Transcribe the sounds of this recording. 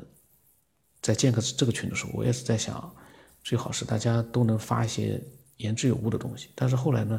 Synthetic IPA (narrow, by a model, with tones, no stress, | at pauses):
t͡sa˥˧ɪt͡ɕjɛ˥˧nkʰɤ˥˧˥ʈ͡ʂɤ˥˩ɡə˩t͡ɕʰy˧˥nd̪ə˧ʂɻ̩˧˥xo̰˥˩wɔ̰˧˩ɛ̰˥ʂɻ̩˧˩t͡sa˥˩ɪɕjɑ̰˨˩˦ŋ | t͡swe˥˩ɪxɑ˨˩ʊʂɻ̩˥˧t̪a̰˥˩t͡ɕja˥t̪o˥ʊnɤ˧˥ŋfa̰˥i˥˩ɕjɛ̰˥ | jɛ˧˥nʈ͡ʂɻ̩˥˩jo˨˩ʊu˥˩d̪ə˩t̪ʊ˥ŋɕi̥˨t̪a˥˧nʂ̬ɻ̩˥˧xo˥˩ʊla˧˥ɪnə˧